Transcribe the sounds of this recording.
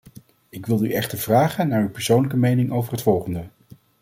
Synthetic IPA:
ɪkʋɪlˠyɛχtəɹv̥raːχənːaːɹypɛɹsownləkəmejnɪŋowvərɦətfɔlˠχəndə

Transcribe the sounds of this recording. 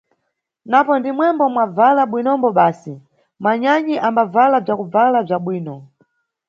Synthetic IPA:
napɔndimwɛmbɔmwavalaɓwinɔmbɔɓaːsi | maɲaɲiʔambavalab͡ʐjakub͡valab͡ʐaɓwiːnɔ

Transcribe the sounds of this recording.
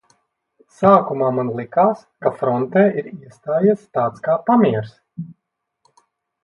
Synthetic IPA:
saːkumaːmanlˠikaːskafɾɔnt̪eːʔiɾiɛst̪aːjist̪aːt̪skaːpamiɛɾs

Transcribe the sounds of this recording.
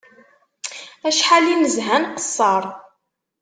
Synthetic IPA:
æʃħalinəzɦænqə̥sˤːɑɾˤ

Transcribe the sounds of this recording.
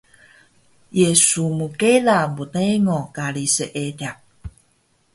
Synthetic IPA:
jesumukelambuneŋokalisəʔedea

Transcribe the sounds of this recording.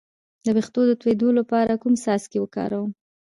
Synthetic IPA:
d̪əbext̪od̪ət̪wed̪olapɑɾakumsɑskewəkɑ̰ɾawəm

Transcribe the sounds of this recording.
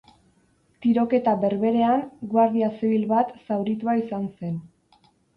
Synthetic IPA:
t̪iɾo̞ke̞t̪aβe̞ɾβe̞ɾe̞aŋɡwaɾðiaseβilβat̪sawɾit̪uaisanse̞n

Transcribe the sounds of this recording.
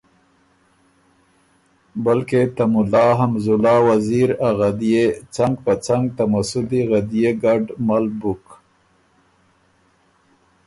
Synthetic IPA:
balket̪amʊlɑɦamzʊlɑwaziɾaɣad̪ijet͡saŋɡpət͡saŋɡ̚t̪amasʊd̪iɣad̪ijeɡaɖmalbuk

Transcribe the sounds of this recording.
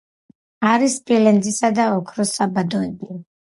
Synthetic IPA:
aɾispʼilɛnd̪zisad̪aɔkʰɾɔsabad̪ɔɛbi

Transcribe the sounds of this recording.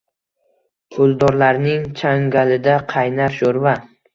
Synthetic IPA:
pʰʊlˠd̪ɒɾlaɾnɪŋt͡ʃʰaŋɡʲalɪd̪aqʰɑjnaɾʃoɾva

